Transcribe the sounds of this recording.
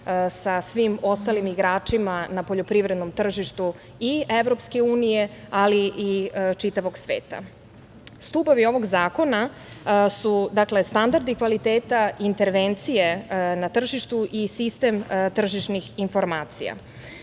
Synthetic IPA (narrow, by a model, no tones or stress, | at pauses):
sasʋimo̞st̪alimiɡɾaːt͡ʃimanapo̞ʎopɾiʋɾe̞d̪no̞mt̪r̩ʒiʃt̪u | ieʋɾo̞pske̞uːnije̞aliʔit͡ʂit̪aʋo̞ɡsʋḛːt̪a̰ | st̪upoʋio̞ʋo̞ɡzaːko̞na | sud̪akle̞st̪and̪aɾd̪ikʋalit̪eːt̪aint̪e̞ɾʋent̪sije̞nat̪r̩ʒiʃt̪uʔisist̪e̞mt̪r̩ʒiʃnixinfo̞ɾmaːt̪sḭja̰